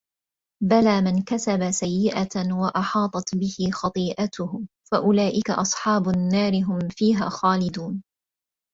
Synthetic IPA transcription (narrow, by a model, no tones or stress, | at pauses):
balaːmɪnkasabasajːɪʔawaʔɑħɑːt̪ˤɑt̪bɪhɪxɑt̪ˤiːʔat̪ʊhʊ | faʔʊlaːʔɪka̰ʔɑsˤħɑːbʊnːaːɾɪɦʊmfiːɦaːxɑːlɪd̪uːn